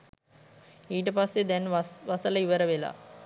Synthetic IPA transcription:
iːʈəpasːed̪ɛnʋasələiʋəɾəʋela̰ː

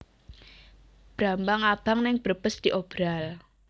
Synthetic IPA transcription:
b̥ɾambaŋab̥aŋnɪŋb̥ərb̥əsd̪̥iʔob̥ɾal

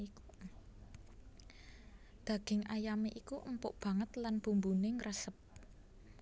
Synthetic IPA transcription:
ku | d̪̥ä̤ɡ̥ɪ̤ŋʔajameʔikuʔəmpʊʔb̥ä̤ŋət̪lanb̥ṳmbuneŋɾəsəp̚

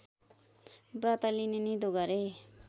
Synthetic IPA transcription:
brʌt̪alinenid̪uɡʌɾe

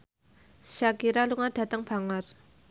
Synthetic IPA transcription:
ʃakiɾaluŋaɖ̥ä̤t̪əŋb̥a̤ŋər

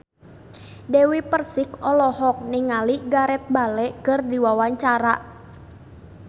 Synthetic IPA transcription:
dewipərsɪkɔlɔhɔk̚niŋaliɡaɾɛt̪̚balɛkɨrdiwawaɲt͡ʃaɾaʔ

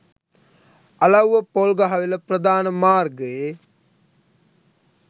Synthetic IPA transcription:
ɐlɐwʋəpolɡaɦɐʋeləpɾəd̪aːnəmaːrɡəje

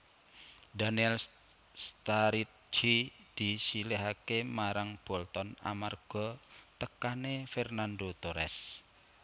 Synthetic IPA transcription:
daniɛl | st̪aɾit̪̚d͡ʒid̪̥i̤sileɦakemaɾaŋb̥ɔ̤lt̪ɔna̰marɡ̥ɔ̤t̪əkanefɛrnand̪ot̪oɾɛs

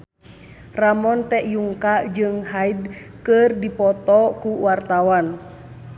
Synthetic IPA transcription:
ramɔnt̪ɛʔjuŋkad͡ʒɨŋɦaidkɨrdipɔt̪ɔkuwart̪awan

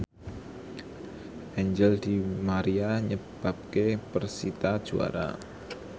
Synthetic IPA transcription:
ʔɛɲd͡ʒəld̪̥imaɾiaɲəb̥a̤p̚kepərsit̪ad̥ʒ̥ua̰ɾa̰

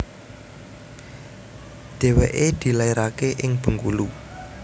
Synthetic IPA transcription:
ɖ̪̥e̤wḛʔed̪̥i̤laiɾakeʔɪŋb̥ə̤ŋkṵlu

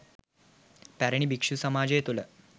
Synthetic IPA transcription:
pæɾəɳ̃ibikʂusəmad͡ʑjet̪ulə

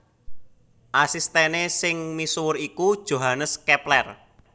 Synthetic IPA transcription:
ʔasist̪enesɪŋmisuwʊɾikud̥ʒ̥o̤ɦanəskɛplɛr

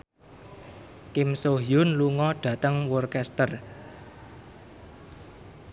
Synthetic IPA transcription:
kɪmsoɦiʊnluŋɔɖ̥ä̤t̪əŋwɔrkɛst̪ər

